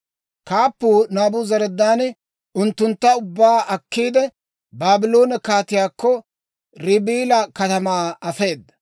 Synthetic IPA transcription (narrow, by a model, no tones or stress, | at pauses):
kaːpːuːnaːbʊzɐɾɛd̪ːaːn | ʊnt̪ːʊnt̪ːɐʊbːaːʔɐkːiːd̪ɛ | baːbɪlo̞ːnɐkaːt̪ɪjaːkːɔ | ɾɪbiːlɐkɐt̪ɐmaːɐfe̞ːd̪ːɐ